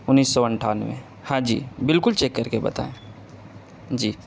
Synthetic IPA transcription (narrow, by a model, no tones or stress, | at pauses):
ʊnːiːsːɔɐ̃ɳʈʰaːnʋḛ̃ | hãd͡ʒḭːbɪlkʊlt͡ʃeːkːəɾkebɐ̰t̪a̰ːẽ | d͡ʒiː